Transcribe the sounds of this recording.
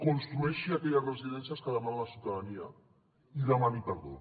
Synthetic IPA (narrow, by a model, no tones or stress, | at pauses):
konst̪ɾuɛʃiakɛʎazrəziðɛnsijaskəðəmanalasiuwt̪aðania | iðəmanipəɾðu